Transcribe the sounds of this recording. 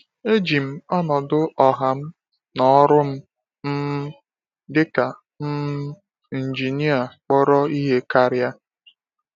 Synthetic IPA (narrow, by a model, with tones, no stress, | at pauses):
e˦d͡ʒi˨m̩˦ɔ˦nɔ˨dʊ˦ʔɔ˨ɦa˨m̩˦ | nɔ˦ɾʊ˦m̩˦ | m̩˦ | dɪ˦ka˨ | m̩˦ | n̩˨d͡ʒi˨ni˦a˨k͡pɔ˦ɾɔ˦i˦ɦe˦ka˦ɾja˦